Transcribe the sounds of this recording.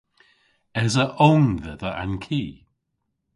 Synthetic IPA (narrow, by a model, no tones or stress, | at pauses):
ɛzəʔoŋðəðəʔa̰nkʰiː